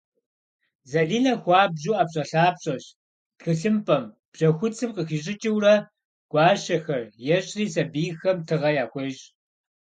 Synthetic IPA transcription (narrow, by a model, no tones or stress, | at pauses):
zɐɮiːnɐxʷɑːbʑuːʔɐpɕʼɐɬaːpɕʼɐɕ | txɨɬɨmpʼɐm | b̥ʑ̥ɐxʷʊt͡sʰɨmqəxiɕʼɪt͡ʃʼɪwrɐ | ɡ̥ʷɑːɕɐxɐrjɛɕʼriːsɐbiːxɐmtʰɨʁɐjaːxʷɔɕʼ